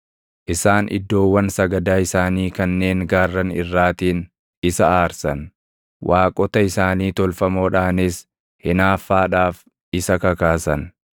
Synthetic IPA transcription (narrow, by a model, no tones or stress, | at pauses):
ʔɪsaːnʔɪ̰d̪ːo̞ːwːɐnsɐɡɐd̪aːɪsaːniːkɐnːe̞ːŋɡaːrːɐnɪrːaːt̪iːn | ɪsɐaːɾsɐn | waːkʼɔt̪ɐɪsaːniːt̪ɔlfɐmo̞ːᶑaːnɪs | hɪnaːfːaːᶑaːf | ɪsɐkɐkaːsɐn